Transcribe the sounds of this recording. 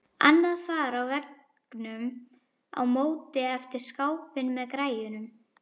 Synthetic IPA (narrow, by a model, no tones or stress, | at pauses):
a̰nːaðfaːɾawvɛk | nʏm | a̰wmoːwt̪ɪɛft̪ɪɾ̥skawpɪnmɛðkɾaːjʏnʏm